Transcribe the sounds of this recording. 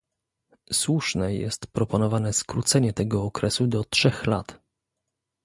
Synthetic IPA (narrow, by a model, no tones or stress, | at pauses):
swuʂnɛjɛ̰st̪pɾɔpɔnɔvanɛskɾut̪sɛɲɛt̪ɛɡɔːkɾɛsud̪ɔtʂɛxlat̪